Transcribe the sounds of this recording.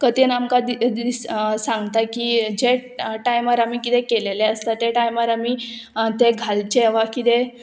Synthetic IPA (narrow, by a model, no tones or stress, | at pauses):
kət̪inamkad̪id̪issãŋɡt̪akiːd͡ʑeʈajmaɾamiːkit̪ɛkeleleəst̪at̪eʈajmaɾamit̪eɡʱalt͡ɕeʋakit̪ɛ